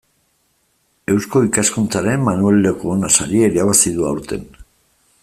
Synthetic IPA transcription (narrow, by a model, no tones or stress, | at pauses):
e̞wsko̞ikaskunt͡saɾe̞mːanuelːekuonasaɾieiɾaβasiðuawɾt̪e̞n